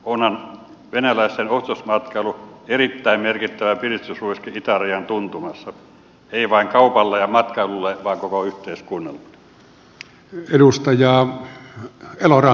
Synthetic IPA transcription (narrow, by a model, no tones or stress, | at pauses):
onhɑn | ʋenælæˑist̪enost̪osmɑt̪kɑeluerit̪ːæˑimmerkit̪ːæʋæpilist̪ysruiskeit̪ɑriɑnt̪unt̪umɑsːɑ | eˑiʋɑˑiŋkɑupɑlːɑjɑmɑt̪kɑelulːeʋɑˑːŋkokoyht̪ˑeiskuːnːɑlːun | edust̪ɑjɑː | elorɑ